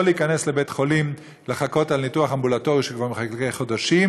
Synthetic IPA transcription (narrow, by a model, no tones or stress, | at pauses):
liːkanesle̞betχo̞lim | leχako̞talnituaχambulato̞ʁiʃekvaʁmeχakeχod̪aʃim